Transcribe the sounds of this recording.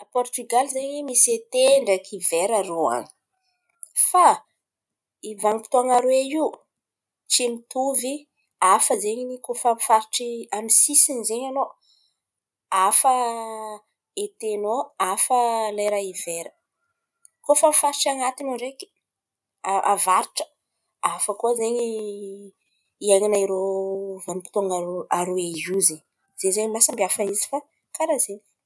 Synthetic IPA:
pɔrt̪yɡalizeɲimiset̪eɳɖ͡ʐakʰiveɾaroa̰ni̥ | fa | ivaŋipi̥t̪oaŋaɾweiw | t͡ʃimit̪uvi | afəzeɲinikofamifaɾiʈ͡ʂiamisisinzeɲano | afə | et̪enoafəlajɾaiveɾə̥ | kofamifaɾiʈ͡ʂaŋat̪inoɳɖ͡ʐeki̥ | aavaɾiʈ͡ʂə̥ | afəkuzeɲi | iajɲinaiɾovanipi̥t̪oŋaɾoaɾoeɦuzeɲ | z̥ezeɲimasambiafaizi̥fa | kaɾazeɲi̥

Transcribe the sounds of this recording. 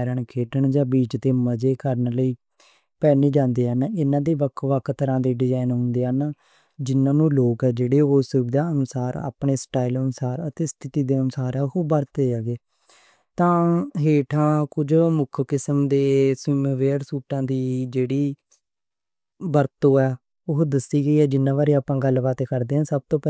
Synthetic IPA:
ɾəɳkʰeːʈəɳd͡ʒãːbiːt͡ʃt̪eːməd͡ʒeːkəɾnləiː | pɛːneːd͡ʒãːnd̪eːɦənɪnãːd̪eːʋəkʰʋəkʰːt̪əɾãːd̪eːɖɪd͡ʒaːinɦʊ̃ːnd̪eːɦən | d͡ʒɪnãːnũːloːkɛːd͡ʒeːɽeːoːsəbd̪aːənʊsaːɾa̰ːpɳeːsʈaːilənʊsaːɾət̪eːst̪ʰɪt̪iːd̪eːənʊsaːɾɛːɦoːbəɾt̪eːaːɡeː | t̪ãːɦeːʈʰãːkʊd͡ʒmʊkʰkɪsəmd̪eːsɪmːʋeːɾsuːʈãːd̪iːd͡ʒeːɽiː | bəɾt̪õːɛː | ʊɦd̪əsiːɡəiːɛːd͡ʒɪnːãːʋaːɾeːaːpãːɡəlːʋaːt̪eːkəɾd̪eːɦənsəb̚t̪õːpɛ

